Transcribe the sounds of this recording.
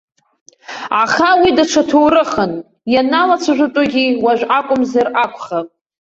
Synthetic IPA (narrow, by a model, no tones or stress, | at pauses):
aχawidaʈ͡ʂʰatʰowɾɨχən | janalat͡sʷʰaʒʷʊtʼʊɡʲiwaʒᶣʷakʷʼʊmzarakʷʰʼχapʼ